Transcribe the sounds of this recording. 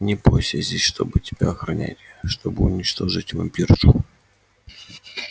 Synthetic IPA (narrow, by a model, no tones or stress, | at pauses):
nʲɪposʲəzʲdʲesʲʂt̪o̞̰bɨtʲɪb̥ʲaɐxɾɐnʲæ̰tʲɪʂt̪o̞bɨʊnʲɪt͡ɕt̪o̞ʐɨtʲvɐ̰mʲpʲirʐʊ